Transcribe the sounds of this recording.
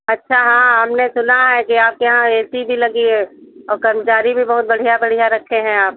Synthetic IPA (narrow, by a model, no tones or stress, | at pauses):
ɐtːʃʰaɦãɦɐmnesʊnaɦɛkiaːp̚keɦãeːt̪ibʱilɐɡieɔːɾkɐɾmət͡ʃaːɾibʱibɐɦʊt̪̚bɐɽ̤ijabɐɽ̤ijaɾɐkʰːeɦɛ̃aːp̚